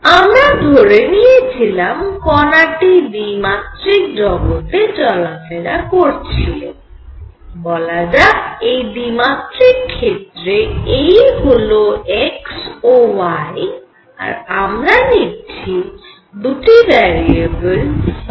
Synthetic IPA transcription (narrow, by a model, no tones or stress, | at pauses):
amɾad̪ʱoɾenijet͡ɕʰilamkɔnaʈid̪imat̪ɾik̚dɾɔɡot̪ed͡ʑɔlafeɾakoɾt͡ɕʰilen | bɔlad͡ʑaejdimat̪ɾikʰːet̪ɾeejɦoloeksowaj | a̰ɾamɾaniɾt͡ɕʰi | d̪uʈibɛɾiebəl